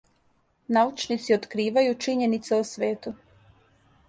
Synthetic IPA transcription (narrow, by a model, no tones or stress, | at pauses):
naut͡ʃnit̪siot̪kɾiːʋajut͡ʃiɲenit̪seosʋeːt̪u